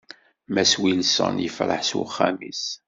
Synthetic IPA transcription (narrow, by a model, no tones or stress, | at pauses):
mæswilsə̰njəfɾə̰ħswχːæmis